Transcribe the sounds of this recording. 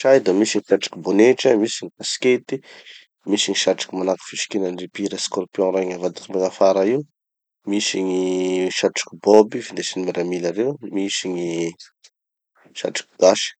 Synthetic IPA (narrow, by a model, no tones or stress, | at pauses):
ʃajd̪amisiɲiʃaʈ͡ʂḁkiboneʈ͡ʂəmisiɲikasket̪i | misiɲiʃaʈ͡ʂḁkimanaki̥fiʃi̥kʲenanripiɾəskorpjɔ̃ɾaɲavad̪it̪imbeŋafaɾaiu | misiɲiʃaʈ͡ʂḁkibobifind̪esinimaɾamilaɾewmisiɲi | ʃa̰ʈ͡ʂḁkiɡaʃi̥